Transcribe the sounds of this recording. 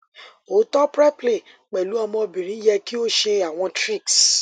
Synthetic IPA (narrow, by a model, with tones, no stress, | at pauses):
o˨˦tɔ˦pɾɛ˦ple˨ | k͡pɛ˨lu˦ɔ˧mɔ̃˧bĩ˨ɾ̃ĩ˨˦jɛ˧ki˦o˦ʃe˧a˨w̃ɔ̃˧tɾi˦˨ks